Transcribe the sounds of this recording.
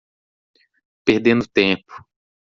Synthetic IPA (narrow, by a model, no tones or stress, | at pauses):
peɾd̪ẽnd̪ʊt̪ẽpʊ̥